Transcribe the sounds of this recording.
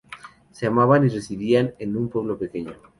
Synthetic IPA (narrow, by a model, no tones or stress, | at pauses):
seamaβanire̞siβianenumpwe̞β̞lo̞pe̞ke̞ɲo